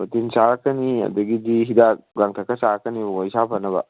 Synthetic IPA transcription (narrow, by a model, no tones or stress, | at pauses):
mɐt̪insakːɐniɐ̰d̪ɐɡid̪iɦid̪aɡaŋt̪ʰɐkɐsakːɐniboisapɐnɐba̰